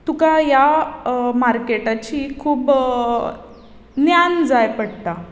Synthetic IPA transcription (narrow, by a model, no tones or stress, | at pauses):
t̪ukaja | maɾkeʈat͡ɕiːkʰuːb | njand͡zajpəɽt̪a